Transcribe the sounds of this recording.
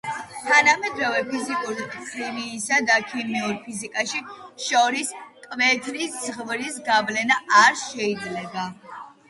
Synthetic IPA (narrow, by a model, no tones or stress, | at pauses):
t̪ʰanamɛd̪ɾɔvɛpʰizikʼuɾiqʰʼɾimiːsad̪akʰimiuɾpʰizikʼaʃiʃɔɾiskʼmɛt̪ʰɾiszʁvɾisɡablɛnaaɾʃɛid̪zlɛba